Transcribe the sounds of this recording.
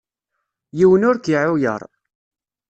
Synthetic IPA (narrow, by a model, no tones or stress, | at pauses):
jiwənʊɾkiʕujə̰ɾˤ